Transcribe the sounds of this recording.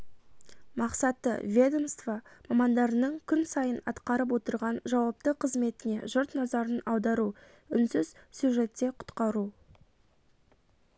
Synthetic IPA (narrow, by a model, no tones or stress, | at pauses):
mɑqsɑt̪ːə̰vʲe̞d̪o̞mst̪vɑmɑmɑnd̪ɑɾənəɴkʲʰʏnsɑjənɑ̰t̪qɑɾəp̬wo̞t̪əɾʁɑnʒɑwɑp̚t̪əqʰəzme̞t̪ɪne̞ʒʊɾt̪nɑzɑɾənɑwd̪ɑɾu | ʏnsʏzsjuʒe̞t̪ːe̞qʰʊ̥t̪qɑɾu